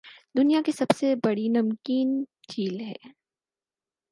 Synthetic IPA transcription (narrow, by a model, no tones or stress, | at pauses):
d̪ʊnijakisɐbsebɐɽinɐmkiːn | t͡ʃiːlɦɛ̰̃ː